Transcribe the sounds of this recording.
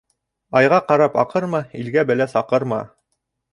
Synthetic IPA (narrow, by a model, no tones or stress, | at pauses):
ɑjʁɑqɑɾɑpɑ̰qɤɾmɑilɡæbæ̆læsɑqɤɾmɑ̰